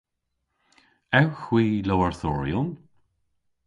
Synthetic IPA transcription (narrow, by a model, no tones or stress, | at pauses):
ɛwxwiːlowəɹθɔːɹjʊn